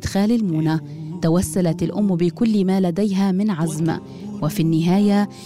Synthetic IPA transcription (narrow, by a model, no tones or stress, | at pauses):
d̪xaːlɪlmuːna | t̪awasːalat̪ɪlʔʊmːbɪkʊlːmaːlad̪ajɦamɪnʕazm̰ | wɪfinːɪɦaːja